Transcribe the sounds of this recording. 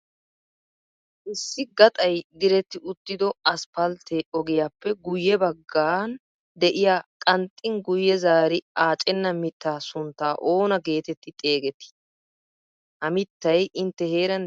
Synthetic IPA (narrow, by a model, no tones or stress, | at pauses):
ʔɪsːɪɡɐt̪ʼɐjɡ̪ɪɾɛt̪ːɪʔʊt̪ːɪd̪ɔɐspɐlt̪ʰeʔɔɡɪjaːpːɛɡʊjːɛbɐɡːaːn | d̪ɛʔɪjaːkʼɐnt̪ʼːɪŋɡʊjːɛzaːɾɪaːt͡ʃʼɛnːɐmɪt̪ːaːsʊnt̪ːaːʔo̞ːnɐɡe̞ːt̪ɛt̪ːɪt̪ʼe̞ːɡɛt̪ːɪ̥ | hɐmɪt̪ːɐjʔɪnt̪ːɛhe̞ːɾɐn